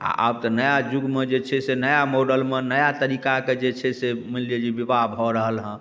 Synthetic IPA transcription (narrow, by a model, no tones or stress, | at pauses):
a̰ʔa̰b̚t̪ɔnəjad͡ʒuɡmed͡ʒet͡ʃʰɛsenəjamoɖəlmenəjat̪əɾikaked͡ʒet͡ʃʰɛsemilied͡ʒibibabʱɦɔɾəɦəlɦə̃